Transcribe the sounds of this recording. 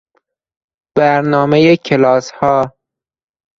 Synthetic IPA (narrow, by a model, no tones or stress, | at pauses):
b̥æɾnɒːmejecʰelɒːshɒː